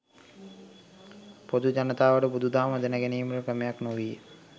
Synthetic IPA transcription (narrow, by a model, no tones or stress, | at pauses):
pod̪ud͡ʒanət̪aːʋəʈəbud̪ud̪aːməd̪ənəɡæniːməɾəkɾəmejaknoʋiː